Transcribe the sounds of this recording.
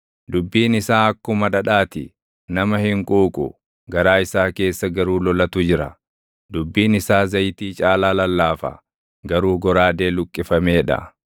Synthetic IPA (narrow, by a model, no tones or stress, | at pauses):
d̪ʊbːiːnɪsaːɐkːʊmɐᶑɐᶑaːt̪ɪ | nɐmɐhɪŋkʼuːkʼʊ̰ | ɡɐɾaːɪsaːke̞ːsːɐɡɐɾuːlɔlɐt̪ʊd͡ʒɪɾɐ̰ | d̪ʊbːiːnɪsaːzɐjt̪iːt͡ʃʼaːlaːlɐlːaːfɐ̰ | ɡɐɾuːɡɔɾaːd̪e̞ːlʊkʼːɪfɐmeːᶑɐ̰